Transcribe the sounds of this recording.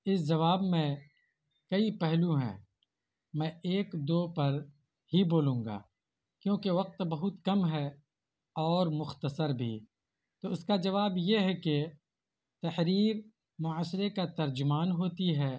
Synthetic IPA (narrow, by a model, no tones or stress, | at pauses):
ɪsd͡ʒɐʋaːbmẽ | kɐipɛɦlũɦɛ̰̃ː | mɛ̃eːkd̪oːpɐɾ | hiboːlũːŋɡa̰ː | kjõːkeʋɐq̚t̪bɐɦʊt̪kɐmɦɛ | ɔːɾmʊxt̪əsəɾbʱḭː | t̪oːʊskad͡ʒɐʋaːbjeɦɛke | t̪ɐhɾiːɾ | mʊaːsɾekat̪ɐɾd͡ʒʊmaːnɦoːt̪iɦɛː